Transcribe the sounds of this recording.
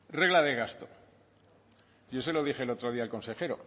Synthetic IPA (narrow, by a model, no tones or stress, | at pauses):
re̞ɣlaðe̞ɣast̪o | jos̬e̞lo̞ðixelot̪ɾo̞ð̞iaelko̞nse̞xe̞ɾo̞̰